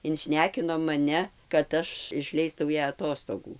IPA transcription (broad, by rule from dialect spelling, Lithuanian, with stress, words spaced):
ɪnʲˈʃʲnʲæːkʲɪnoː mɐˈnʲɛ kɐt ˈɐʃ ɪʃʲˈlʲɛɪstɐʊ ˈjæː ɐˈtoːstoːɡuː